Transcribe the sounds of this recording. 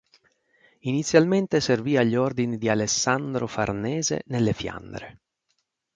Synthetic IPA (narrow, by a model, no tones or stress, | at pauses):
init̪sːjalment̪eserviːaʎːord̪inid̪ialesːand̪ɾofa̰rnɛːzḛnelːefja̰nd̪ɾḛ